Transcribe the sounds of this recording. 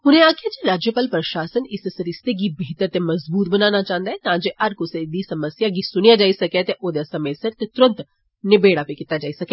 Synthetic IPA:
ɦʊnẽaːkʰijad͡ʒeɾaːd͡ʒjəpaːlpɾɐʃaːsənɪssɾɪst̪eɡibiːt̪əɾt̪emɐzbuːt̪̚bɐnaːnat͡ʃaːɦə̃nd̪aɦɛt̪ãd͡ʒeʔɐɾkʊsed̪isɐməsjaɡisʊnijad͡ʒaːisɐket̪eʔod̪esɐmeset̪et̪ʊɾə̃nt̪ | nɪbeːɽapekɪt̪ad͡ʒaːisɐke

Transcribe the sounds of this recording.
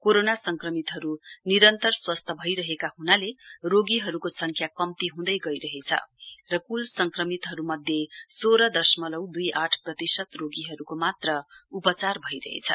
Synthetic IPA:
koɾonasʌŋkrʌmit̪ɦʌɾuniɾʌnt̪ʌrswʌst̪ʰʌbʱʌjɾʌɦekahunaleroɡiɦʌɾukosʌŋkʰjakʌmt̪iɦũd̪ʌjɡʌjɾʌɦet͡sʰʌ̰rʌkulsʌŋkrʌmit̪ɦʌɾumʌd̪ʱjesoɾʌd̪ʌsmʌlʌwd̪ujʔaʈʰprʌt̪isʌt̪roɡiɦʌɾukomat̪rʌupʌt͡sarbʱʌjɾʌ̰ɦḛt͡sʰʌ̰

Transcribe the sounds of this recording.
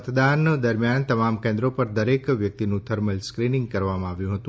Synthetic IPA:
t̪d̪and̪əɾmjant̪əmamkẽnd̪ɾopəɾd̪əɾekʋjək̚t̪inũt̪ʰəɾməlskɾinɪ̃ŋɡ̚kəɾʋamãaʋjũɦət̪ũ

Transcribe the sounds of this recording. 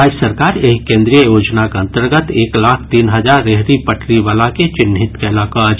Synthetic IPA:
ɾaːd͡ʒəsəɾkaːɾeɦkẽːnd̪ɾijəjoːd͡ʒnakaə̃nt̪əɾɡət̪eːklaːkʰt̪iːnɦəd͡ʒaːɾːeɦɾipəʈʰɾiʋaːlaket͡ʃɪnɦɪt̪keɪlaːkaːd͡ʒ

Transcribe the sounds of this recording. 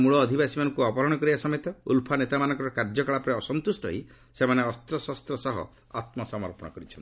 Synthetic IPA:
muɭɔːd̪ʱibasimanɔŋkuɔpɔɾɔɽ̃ɔkɔɾibasɔmet̪ɔṵlpʰanet̪amanɔ̃ŋkɔɾɔkaɾd͡ʒɔkɔɭapɾɔɔsɔnt̪usʈɔ̰ɦi | semaneɔst̪ɾɔsɔst̪ɾɔsɔɦɔ̰ | a̰t̪mɔsɔmɔɾpɔɽ̃ɔkɔɾit͡ʃʰɔni

